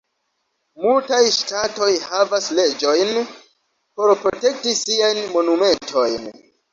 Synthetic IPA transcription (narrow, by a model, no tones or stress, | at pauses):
multajʃtato̞jhavasle̞d͡ʒo̞jn | po̞ɾpɾo̞te̞k̚tisiajnmo̞nume̞ntʰo̞jn